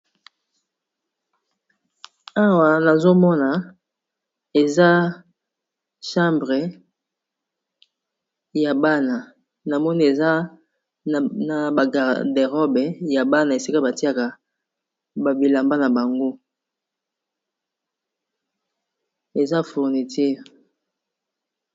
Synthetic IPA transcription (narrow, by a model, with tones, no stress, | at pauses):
a˦wa˨na˨zo˦mɔ˦na˨ | e˨za˦ | ʃã˦mbʁe˨ | ja˨ba˦na˨ | na˨mɔ˦ni˦e˨za˦˨ | na˨ba˨ɡa˨de˨ʁɔ˦bɛ˨ja˨ba˦na˨e˨si˦ka˦ba˨ti˦a˨ka˨ | ba˨bi˨la˨mba˦na˨ba˨ŋɡo˦ | e˨za˦fu˨ʁni˨ti˦ʁ